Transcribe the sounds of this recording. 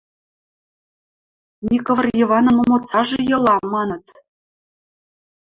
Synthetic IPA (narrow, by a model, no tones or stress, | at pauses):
nʲikovə̆rjɤvɑnə̆mŏmot͡sɑʒejɤ̆lɑmːɑnɤ̆t̪